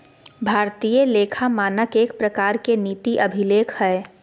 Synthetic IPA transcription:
bʱaːɾt̪iːjəleːkʰamaːnəkeːkpɾəkaːɾkeniːt̪iʔɐbʱɪleːkʰhɛː

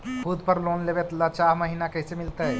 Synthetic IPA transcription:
kʰʊd̪pəɾloːnleːʋet̪lːat͡ʃaːɦmɐɦiːnakɛːsemɪlt̪aɦɛː

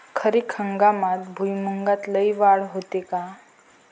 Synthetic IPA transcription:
kʰəɾekʰəŋɡamat̪bʱujmuŋɡat̪ləiʋaɭɦot̪eka

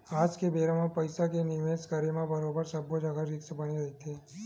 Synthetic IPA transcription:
ad͡ʒkebeɾamãpəjsakeniʋeskəɾemãbəɾobəɾsəbʱod͡ʒaɡəɾiksəbəniɾəɦit̪ʰe

